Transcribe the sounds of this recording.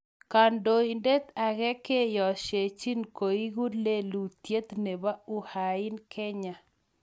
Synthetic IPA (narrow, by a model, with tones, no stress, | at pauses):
ka˨ndo˨i˨nde˦t̪a˨ɣɛ˦ke˦jɔ˨ʃe˨t͡ʃi˦nko˨i˦ɣu˦le˦lu˨t̪je˦t̪ne˨ba˦u˦ha˨ɪ˦nkʰɛ˦ɲa˨